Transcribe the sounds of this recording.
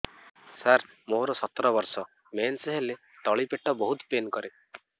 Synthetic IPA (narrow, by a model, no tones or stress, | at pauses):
saɾ | moɾɔsɔt̪ːɾɔbɔɾsɔ | mensɦele | t̪ɔɭipeʈːɔbɔɦut̪penkɔɾe